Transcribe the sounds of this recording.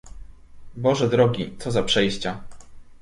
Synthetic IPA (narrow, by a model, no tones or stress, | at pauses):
bɔʐɛd̪ɾɔɡʲit̪sɔzapʂɛjɕt͡ɕa